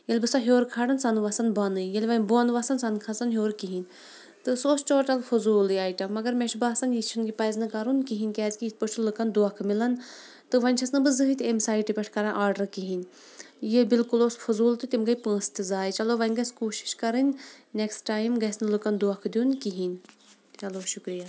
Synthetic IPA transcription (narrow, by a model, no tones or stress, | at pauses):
jelʲbɨsɐɦjoːɾkʰaɽɐnsɐnʋɐsɐnbɐnɨjelʲʋɐnʲboɐnʋɐsɐnsɐnkʰɐsɐnɦʲjoːɾkiɦinʲ | t̪ɨsoːst͡ʃoːɾʈɐlfʰuzuːljaːjʈɐmːɐɡɐɾmʲeʃbaːsɐnjit͡ʃʰunɡipɐjznɨkɐɾunkiɦinʲkʲɛːzʲkʲiipot͡ʃʰulɨkɐnd̪uɐkʰmilɐn | t̪ɨʋɐnʲt͡ʃʰɐsnɨbɨzɨɦɨt̪ʲemsaːjʈipʲɐʈʰkɐɾãːʔaːɾɖɐɾkiɦinʲ | jebilkuloːsfʰuzuːlt̪ɨt̪imɡɐjpə̃ːst̪izaːjt͡ʃɐloːʋɐnʲɡɐskuːʃi̥ʃkɐɾɨnʲneksʈaːjmɡɐsnɨlɨkɐnd̪uɐkʰd̪ʲjunkiɦinʲ | ɐloːʃukɾija